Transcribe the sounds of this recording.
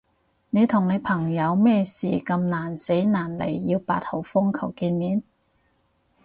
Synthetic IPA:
ne˨˧jt̪ʰʊ˨˩ŋne˨˧jpʰɐ˨˩ŋjɐ˨˧wmɛː˥˧siː˨˩kɐ˧mnaː˨˩nse˨˥jnaː˨˩nlḛ˨˩jːiː˧wpaː˧t̚ho˨˥˩wfʊ˥ŋkʰɐ˨˩wkiː˧nmiː˨˥n

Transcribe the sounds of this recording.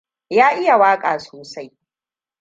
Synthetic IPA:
jaː˦ʔɪ˦ja˨waː˦kʼaː˨soː˨sa˦j

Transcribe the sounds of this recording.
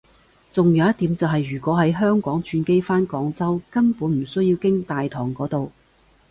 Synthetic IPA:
t͡sʊ˨ŋjɐ˨˧wjɐ˥t̪iː˨˥mt͡sɐ˨wɦɐ˨jːyː˨˩kʷɔː˨˥ɦɐ˨˥jɦœː˥ŋkɔː˨˥ŋt͡ʃʰyː˧nke˥jfaː˥nkɔː˨˥ŋt͡sɐ˥wkɐ˥npuː˨˥nm̩˨˩sɵ˥ɥji˧wkɪ˥ŋt̪aː˨jt̪ʰɔː˨˩ŋkɔː˨˥t̪o˨w

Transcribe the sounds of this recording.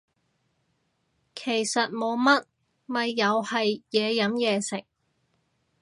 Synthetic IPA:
kʰe˨˩jsɐ˨t̚mo˨˧wmɐ˥t̚ | mɐ˨jːɐ˨˧whɐ˨jjɛː˨˧jɐ˨˥mjɛː˨˧sɪ˨˩k̚

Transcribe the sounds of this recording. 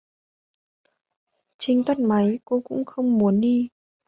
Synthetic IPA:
t͡ɕï˧ŋ̟t̪ə˦˧˩n̚ma˨˦jko˧kʊ̰˧˥ŋ͡mxə˧wŋ͡mmu˨˦ənɗi˧

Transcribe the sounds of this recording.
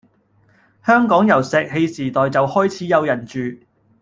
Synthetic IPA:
hœː˥ŋkɔː˨˥ŋjɐ˨˩wsɛː˨k̚he˧jsiː˨˩t̪ɔː˨jt͡sɐ˨whɔː˥jt͡sʰiː˨˥jɐ˨˧wjɐ˨˩nt͡ʃyː˨

